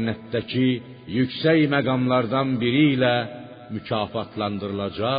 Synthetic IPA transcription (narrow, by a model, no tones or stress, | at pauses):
nːæt̪d̪æcʰi | jycsæjmæɡɑmlˠɑɾd̪ɑnbiɾiːlæ | mycʰɑːfɑt̪ʰlˠɑnd̪ɯɾɯlˠɑd͡ʒɑ